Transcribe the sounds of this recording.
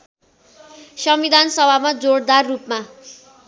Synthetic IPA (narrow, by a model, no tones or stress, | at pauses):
sʌmbid̪ʱansʌbʱamad͡zoɽd̪arːupma